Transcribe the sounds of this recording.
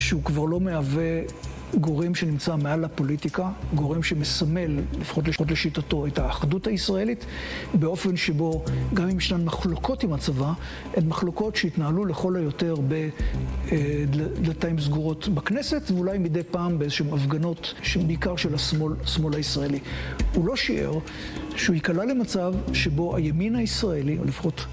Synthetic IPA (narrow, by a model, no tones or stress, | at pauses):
ʃeukvaʁlo̞meave | ɡo̞ʁemʃenimt͡samealapo̞litikaɡo̞ʁemʃemesame̞lːifχo̞t̬leo̞t̬leʃitato̞etaːχduthaisʁaelitbeo̞fe̞nʃebo̞ɡamimʃnanmaχloko̞timat͡sava | ʔenmaχlo̞ko̞tʃeitnaaluleχo̞lojo̞te̞ʁbe | dd̪lataimzɡuʁo̞tbakne̞se̞tveulajmidejpaːmbeezeʃeemafɡano̞tʃbeikaʁʃelasolsmo̞lhaisʁaeliulo̞ʃiḛʁ | ʃeuikalale̞mat͡savʃebo̞ʔajaminaisʁaelio̰lefḁχo̞t